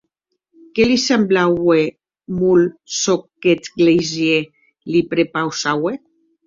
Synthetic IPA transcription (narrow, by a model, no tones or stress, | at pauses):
kelisemblawe | mulsokːet̪ɡlejzje | lipɾepawsawe